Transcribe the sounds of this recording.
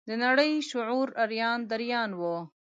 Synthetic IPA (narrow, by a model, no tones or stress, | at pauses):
d̪ənaɽəjʃʊʕuɾaɾjɑːnd̪aɾijɑːnwo